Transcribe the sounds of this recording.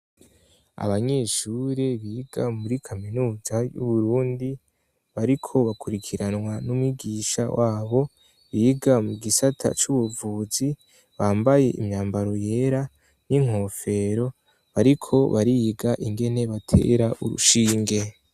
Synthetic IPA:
a̰βaɲe̞ːʃuɾeβiːɡamuɾikʰaminuːzajṵβuɾuːndi | βaɾikʰo̞βakʰuɾikʰiɾanŋwanumwiɡiːʃa̰waːβo̞ | βiːɡamuɡisatʰa̰t͡ʃuβuvuːzi | βaːmbaje̞ʔḭmɲaːmbaɾo̞je̞ːɾa | n̥iŋ̥ho̞ːfe̞ɾo̞ | βaɾikʰo̞βaɾiɡaʔiŋɡe̞ne̞βatʰe̞̰ɾaʔuɾṵʃiːŋɡe̞

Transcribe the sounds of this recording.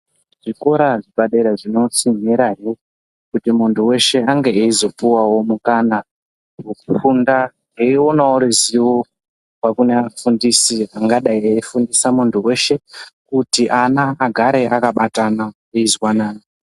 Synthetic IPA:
ʐiko̞ɾaʐibaɗe̞ɾaʐino̞t͡simiɾaɦe | kutimuntʰuwe̞ʃe̞aŋɡeːizo̞puwawo̞mukana | ukufunda | ɦeio̞nawoɾeziwo | wakuneafundisiaŋɡaɗaieifundisamuntʰuwe̞ʃe̞kutiʔanaːɡʱaɾe̞ʔakaɓatana | eizwanaːna

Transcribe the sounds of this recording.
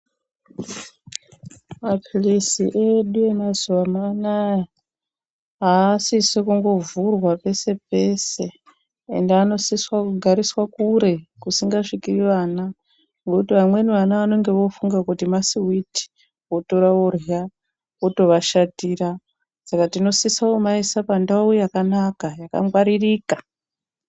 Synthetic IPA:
mapʰilisiʔeɗuemazuʋamana | ɦaːsisekuŋɡo̞vurwapese̞pesḛː | ndeano̞siswakuɡʱaɾiswakuɾekusiŋɡaʂikiriʋana | ŋɡokutiʋamwe̞niʋanaʋano̞ŋɡe̞ʋo̞fuŋɡakutimasiiti̥ | woto̞ɾaorja | woto̞ʋaʃatiːɾa | sakatino̞sisaomaisapandaujakanakajaka̰mwaɾiriːka

